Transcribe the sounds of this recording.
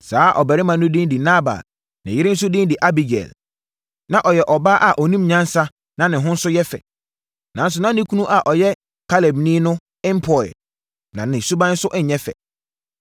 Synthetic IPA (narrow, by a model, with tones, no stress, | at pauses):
saː˦ʔɔ˨bɛ˨ɾɪ˦mã˨nːʊ̃˦dĩ˦ndi˨na˦ba̰˨l | nɪ̃˨jɪ˦ɾɪ̃˦n̩˦s̬ʊ˦dĩ˦ndi˨ʔa˦bi˨ɡɛ̰˨l | nã˨ʔɔ˨jɛ˨ʔɔ˨baː˦ʔa˨ʔɔ˨nĩ˦mɲã˦n˦sa˦ | nã˨nɪ̃˨ɦʊ̃˦n̩˦sʊ˦jɛ˦fɛ̰˨ | nã˨n̩˦s̬ʊ˨nã˦nĩ˦kʰu˦nũ˦ʔa˨ʔɔ˨jɛ˦ | kʰa˦lɛ˨bnĩ˦nʊ̃˦ | ɪ˦m˦pʰɔ˨ɛ˨ | nã˨nɪ̃˨su˦bã˦n̩˦sʊ˦ʔɲ̩˨ɲɛ̃˦fɛ̰˨